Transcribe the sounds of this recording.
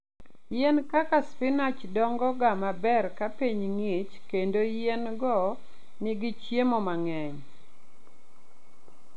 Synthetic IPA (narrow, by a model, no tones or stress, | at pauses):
jɛnkakaspɪnat͡ʃdɔŋɡɔɡamabɛrkapiɲŋit͡ʃkendojɛnɡɔ | nɪɡɪt͡ʃjemɔmaŋɛɲ